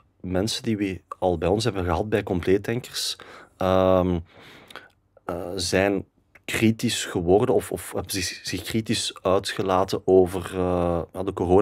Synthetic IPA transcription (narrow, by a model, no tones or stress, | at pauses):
mɛnsəndiʋiɑlˠbɛjɔnsɦɛbənɣəɦɑt̚bɛjkɔmpleːtɛŋkərsəm | əzɛjn | kritisxəwɔrdənɔfɔ̰fɛbəzɪz̥ɪxkritisœɥtxəlaːtənoːvərəjaːdəkoroːn